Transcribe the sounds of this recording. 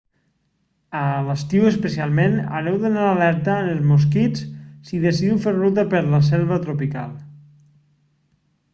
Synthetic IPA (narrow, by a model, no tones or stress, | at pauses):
ələst̪iwəspəsialˠmena̰ɾɛwðonaɾalɛɾt̪anəlˠzmoskit͡ssiðesiðiwfeɾrut̪apəɾlas̬ɛlˠβat̪ɾopika̰lˠ